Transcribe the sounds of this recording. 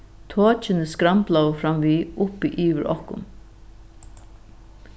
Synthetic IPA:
t̪ʰoːt͡ʃɪnəskɾamplawəfɾamʋiːʊpiʔiːʋɪɾʔɔ̰hkʊ̰n

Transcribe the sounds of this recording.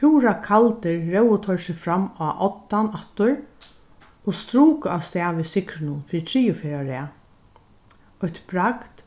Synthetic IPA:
uːɾakʰalt̪ɪɹːɛwʊt̪ʰœɹsɪfɾamːaʔɔt̪ːanat̪ʊɹ | ost̪ɾuːkaawst̪ɛːʋɪsɪkɾɪnʊnfɪːɾt̪ʰɾiːʊfeɾaɾɪa | ɔçt̪b̥ɾakt̪

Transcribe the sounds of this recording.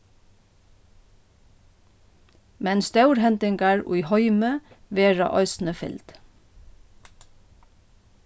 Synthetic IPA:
mɛnst̪ɑʉɹhɛnt̪ɪŋɡɑɹṵiːhɔʏmə | ʋeːɹɑ̰ʔœ̰ʏsn̩əfɪ̰ld̪̥

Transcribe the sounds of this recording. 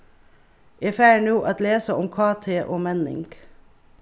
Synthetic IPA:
ʔeːfæːɳuːʔɑt̪leːsəʊmkʰɑːt̪ʰeːʔoːmɛnɪ̰ŋɡ

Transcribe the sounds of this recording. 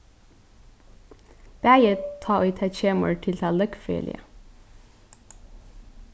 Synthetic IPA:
b̪̥æɪət̪ʰɑːoit̪ʰæʃeːmo̰ːlʈʰɪlt̪ʰɑːlœkfœ̰ːlɪ̰ə̰

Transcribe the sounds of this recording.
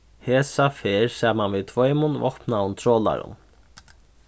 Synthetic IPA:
heːsafeːɾsaːmanviðt̪ʰvɔːjmʊnvɔ̰hpnaʊnt̪ʰɾɔːla̰ɾʊ̰n

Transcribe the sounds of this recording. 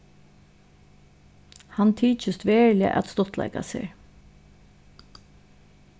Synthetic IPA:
hant̪ʰiːt͡ʃəst̪ʋeːɹlɪə̰ʔæ̰t̪st̪ɔt̪la̰ɪka̰sḛːɹ

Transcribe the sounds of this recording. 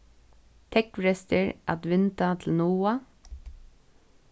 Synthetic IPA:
t̪ʰɛkfɹɛst̪əɹa̰t̪ʋɪnt̪at̪ʰl̩nuːa

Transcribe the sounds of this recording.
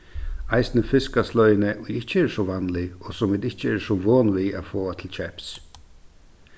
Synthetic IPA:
aɪsnəfɪskaslɔʏnəʔʊjɪht͡ʃəɛːɾsɔʋanlɪɔsʊmɪːd̪ɪht͡ʃəɛːɾsɔʋoːnʋiːafoːat̪ʰɪlt͡ʃʰɛps

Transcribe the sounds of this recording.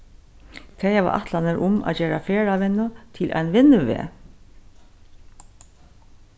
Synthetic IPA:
t̪ʰɛjaʋa̰ʔa̰ht̪lanɪɾʔʊma̰ðd͡ʒeːɾafeːɾaʋɪnːʊt̪ʰɪlʔa̰jnʋɪnːʏʋḛː

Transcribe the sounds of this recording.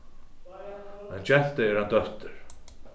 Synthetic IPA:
mɛnt͡ɕɛn̥t̪ɪɛɾhant̪œht̪ɪɾ̥

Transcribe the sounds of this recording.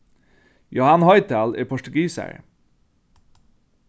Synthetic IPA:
jʊhɑnhɑɪt̪ʰælḛːpʰɔʃʈʉɡiːsæ̰ɹ

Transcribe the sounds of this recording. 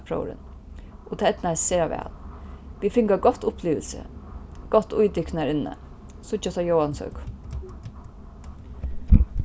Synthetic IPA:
pʰɾo̰ʊɾɪ̰n | ʊt̪ʰaːɛt̪naɛseːɾaʋɛ̰ːlʋifɪŋɡaɡɔt̪ːʊpliːʋə̰lsə̰ɡ̥ɔt̪ːʊjd̪ɪknæɾɪnːə̰ | sʊt͡ʃat̪ajowansœ̰k

